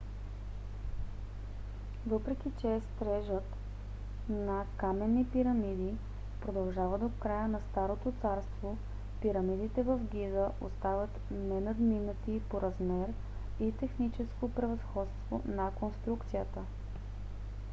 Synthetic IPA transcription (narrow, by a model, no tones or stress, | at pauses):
vɤpɾɛk̟ʲit͡ʃɛst̪ɾɛʒət̪ | nɐkamɛnːipiɾɐmid̪i | pɾod̪ɐlˠʒavəd̪okɾajənɐst̪aɾot̪ot̪saɾst̪vo | piɾɐmid̪it̪ɛvəfɡʲizəʔost̪avət̪ | nɛnɐd̪minət̪ipoɾɐzmɛɾ | it̪ɛxnit͡ʃɛskopɾɛvɐsxɔt̪st̪vo̰nɐkonst̪ɾukt̪sijət̪ə